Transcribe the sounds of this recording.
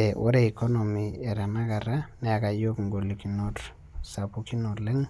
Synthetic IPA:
e˨ʔo̰˦ɾe˦i˨kɔ˦nɔmiɛ˨ɾa˨na˦ka˨ɾa˦nɛ˦a˨ka˨jo˦kŋ̩ɡo˨liki˨not | sapuki˦notlɪ˦ŋ

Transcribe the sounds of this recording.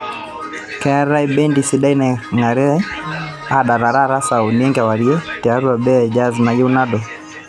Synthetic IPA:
kɛ˨aɾa˦ibɛ˦ndisiɗa˦inaŋa˨ɾɛ˦ | a˦ɗa˨ɾa˨ɾaɾa˦sa˨uniɛŋɡawa˨ɾiɛ˦tɛa˦ɾu˦a˨bɛ˦ɛd͡ʒa˦zna˨jɛ˦unadɔ

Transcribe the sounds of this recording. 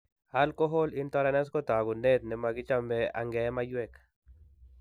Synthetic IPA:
a˦lkɔ˦ɦo˦lɪ˦nt̪ɔ˦ɾa˦nɛ˦s̬kɔ˦t̪a˨ɡʊ˨ne˦t̪nɪ˨ma˨ɡɪ˦t͡ʃa˦mbɛ˦a̰˨ŋɡɛ˨˦ma˦jwɛ˦k

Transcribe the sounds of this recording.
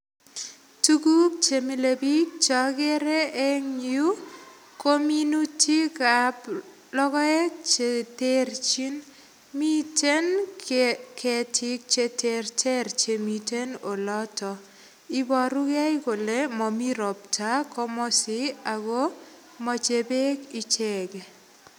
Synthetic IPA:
tu˦ɡu˦k̚t͡ʃe˨mi˨le˨bi˦k̚t͡ʃɔ˦ɡe˦ɾe˦e˦ŋɲu˦ | ko˦mji˦nu˦ti˦ka˨p | lɔ˦kɔ˦ɛ˦t͡ʃete˦ɾt͡ʃi˦n | mi˦te˦n | kʰɛ˨tʰi˦k̚t͡ʃe˦tʰe˨rtʰe˦rt͡ʃe˨mi˨te˦no˨lɔ˦tɔ˨ | i˦bɔ˨ɾu˦ɡa˦i˦ko˨le˦mɔ˨mi˦ɾɔ˨p̚ta˦kɔ˦mɔ˦sɪ˦a˨ɡo˦ | mɔ˨t͡ʃe˨be˦kɪ˦t͡ʃɛ˨ɡe˨

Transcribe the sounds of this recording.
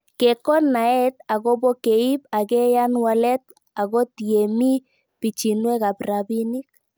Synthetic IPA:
ke˨kɔ˦na˨ɛ˦t̪̚a˨ɣɔ˦bɔ˦ke˨i˦pa˨kɛ˦ja˦nwa˦lɛ˦t̪̚ | a˨ɣɔ˦t̪je˨mi˦ | pi˨t͡ʃi˨nwɛ˦ka˨pra˨bi˦ni˦k̚

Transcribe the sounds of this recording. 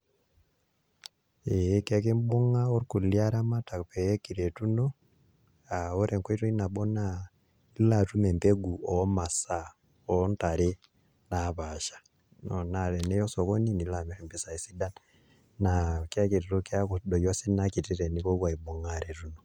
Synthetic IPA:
ekɛk̬e˦mbo˦ŋao˦ɾku˨ljaɾa˦ma˦ta˨pɛ˦ki˨ɾe˨tu˦no | ao˦ɾɛ˨ŋkwo˦i˦to˦i˦na˨ɓɔ˦na | ilatu˦mɛ˨mbeɡu˨ɔ˦ma˨sa | ɔ˦ntaɾe | naβaʃḁ˨ | nɔnaɾɛ˨ne˦jɔ˦sɔ˨ko˦ni˦ni˨la˨miɾɛmbisa˨i˨si˦da˦n | nakja˦ke˨ɾiɾo˦ka˦kudɔ˨jɔsi˦naki˨ti˦ɾɛ˨ni˦βɔ˦βwa˨ibo˨ŋaɾetu˦no

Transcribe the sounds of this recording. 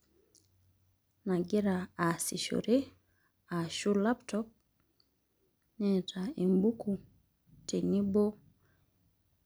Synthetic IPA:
na˨ɡɪ˦ɾa˨a˨si˨ʃo̰˨ɾe˦ | a˨ʃu˦la˦ptɔ˦p̚ | nɛ˦tʰa˨e˨mbu˦ku˨ | tʰe˨ni˦bo˦

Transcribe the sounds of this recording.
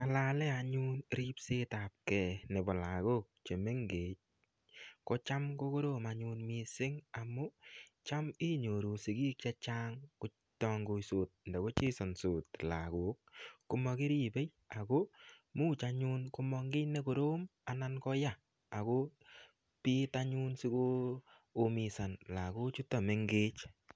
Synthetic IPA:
a˨la˦lɛ˦a˨ɲu˦nɾi˦pse˦ta˨p̚kɛ˨ne˨bɔ˨la˨ɣo˦k̚t͡ʃe˨me˦ŋɡeː˨ | kɔ˦t͡ʃa˦mko˦ko˦ɾo˦˨ma˨ɲʊ˧nmi˨sɪ˦ŋa˨mo˦t͡ʃa˦mi˦ɲo˨ɾo˨si˨kiː˦kt͡ʃa˦t͡ʃa˦ŋkʊ˨˦ | tɔ˦ŋɡo˨so˨t̚ndɛ˨ko˦t͡ʃe˦sɔ˨nso˨tla˨ɡo˨kːu˦mɔ˧kɪ˦ɾi˨be˦j | a˨ko˦muː˦t͡ʃa˧ɲu˦nko˦mɔ˧ŋɡɪ˦ne˦ko˨ɾo˦ma˨na˦nkɔ˦ja˦˨ | a˨ko˦ | pi˦ta˦ɲu˦nsi˦koː˦˨ | mi˨sa˨nla˨ko˦t͡ʃu˦tɔ˨me˨ŋɡe˦t͡ʃ

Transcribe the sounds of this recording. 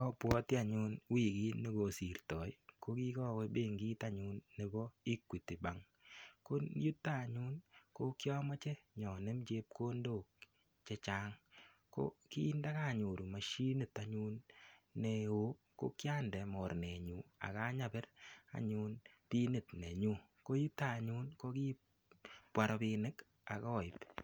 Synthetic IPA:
kɔ˦pwɔ˦ti˦a˨ɲu˦nwi˦˨ki˦nːe˦ɡo˨si˨ɾtɔ˨jko˦ki˦kɔ˦we˦be˦˨ŋɡiː˦ta˦ɲu˦nːe˦bɔ˦i˦kwi˨ti˨ba˨ŋ | ko˦ju˦tːa˦˨ɲu˦nko˦kjɔ˦mɔ˦t͡ʃe˦ɲɔ˨ne˦mt͡ʃe˦p̚ko˦ndoː˦˨k | t͡ʃe˦t͡ʃa˦ŋ | ko̰˦ki˦nda˦ka˦˨ɲu˨ɾu˨ma˨ʃi˦nɪ˦˨ta˨ɲu˦nːe˨o˦ | ko̰˦kja˦ndɛ˨mɔ˨ɾne˨ɲu˨a̰˨ka˦ɲa˦bɛ˦ɾa̰˨ɲu˦nti˦nɪ˨tne˨ɲu˦ | ko˦ju˦ta˦˨ɲu˦nko˦ki˦ | pwa˨ɾɔ˨pi˧nɪ˦k | a˨kɔ˦˨ɪ˨p

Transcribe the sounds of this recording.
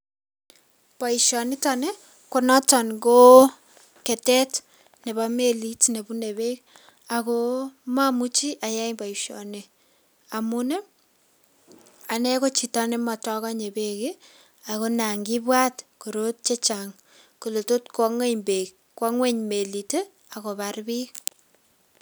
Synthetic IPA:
pa˨iʃɔ˨ni˦tanɛ˦ | kɔ˨nɔ˦ta˨nɡo˦ | kɛ˨tɛ˦t | ne˨ba˦me˦li˦tne˨bu˦ne˨be˦k | a˨ko˦ma˦mu˦t͡ʃi˦ʔa˨ja˦imba˨iʃɔ̰ne˨ | a˨mu˦ne˦ | a˨ne˦ko˦t͡ʃi˨ta˦ne˦ma˨tɔ˦kɔ˦ɲe˨beke | a˨ko˦na˨ŋɡi˦bwa˦tko˨ɾo˦t̚t͡ʃe˦t͡ʃa˨ŋ | ko˨lo˨to˦tkɔ˦ŋwe˦ɲbe˨k | kːwɔ˦ŋwe˦ɲme˨li˨te˦ | a˨ko˨ba˨ɾbi˦k

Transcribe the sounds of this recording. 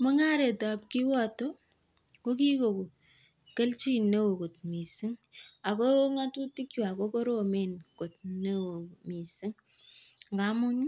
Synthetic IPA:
mɔ˦ŋa˦ɾe˨ta˨p̚ki˦wɔ˦to˦ | ko˦ki˦ko˨ko˨ | kə˦lt͡ʃi˦ne˦wo˨ko˨t̚mi˨si˦ŋ | a˨ko˦ŋa˦tu˦ti˦kju˨a˨ko˦ko˦ɾo˦˨me˦˨nko˨t̚ne˦wo˨mi˨si˦ŋ | ŋɡa˦mu˦ɲ˦

